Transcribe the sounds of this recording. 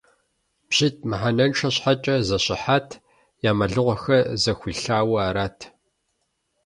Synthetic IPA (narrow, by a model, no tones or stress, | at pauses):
b̥ʑ̥it̚ʰʼmɨħanɐnʈ͡ʂʰɐɕħat͡ʃʼɐzɐɕʼɪ̰ħaːtʰ | jaːmɐɮɨʁʷɔxɐzɐxʷiːɬaːwɐːɾaːtʰ